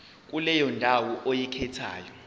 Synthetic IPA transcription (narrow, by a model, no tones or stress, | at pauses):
k̬ʼulɛjɔndʱawɔʔojɛkʰɛtʰa̰ːjɔ